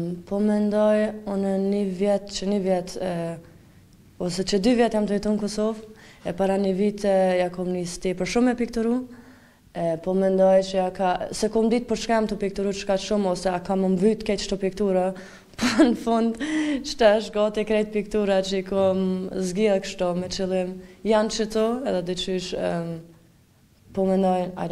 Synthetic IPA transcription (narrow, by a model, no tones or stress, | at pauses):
pɔmɛnd̪ɔjɔnənivjɛt̪t͡ʃənivjɛt̪ | ɔsɛt͡ʃəd̪yvjɛt̪jamt̪əvɛt̪ɔnəkɔsɔvɛpaɾanəvit̪ɛjakɔmnist̪ipəɾʃumɛpikt̪uɾu | ɛpɔmɛnd̪ɔjt͡ʃəakasɛkɔmd̪it̪̚pəɾʃkajamt̪upik̚t̪uɾuʃkaʃumɔsɛakaməmvyt̪əkɛt̪ʃt̪ɔpikt̪uɾa | pɔnəfɔnd̪t͡ʃt̪aʃɡɔt̪ɛkɾɛt̪̚pik̚t̪uɾat͡ʃəikɔmzɡilkʃt̪ɔmɛt͡ʃilˠimjant͡ʃət̪ɔɛðɛd̪it͡ʃyʃ | pɔmɛnd̪ɔja̰